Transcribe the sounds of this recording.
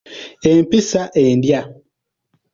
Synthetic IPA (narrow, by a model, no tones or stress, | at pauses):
empisaʔendja